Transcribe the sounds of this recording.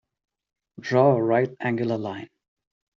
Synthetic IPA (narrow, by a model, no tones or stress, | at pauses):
dɹɔɹaɪt̚æ̃ŋɡjʊlˠəlãɪ̃n